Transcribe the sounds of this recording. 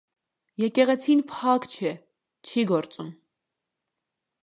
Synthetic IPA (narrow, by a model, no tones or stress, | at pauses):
jɛkɛʁɛt͡sʰinpʰɑkt͡ʃʰɛ | t͡ʃʰiɡɔɾt͡sum